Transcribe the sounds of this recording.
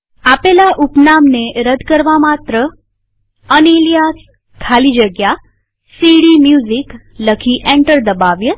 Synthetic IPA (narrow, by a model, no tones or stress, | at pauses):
apelaʔupnamneɾəd̪ʱkəɾʋamat̪ɾə | ənilijas | kʰalid͡ʒəɡja | siɽimjuzikləkʰiʔẽɳʈəɾd̪əbaʋjə